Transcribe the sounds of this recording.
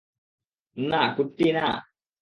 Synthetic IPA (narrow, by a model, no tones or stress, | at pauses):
nakut̪ːina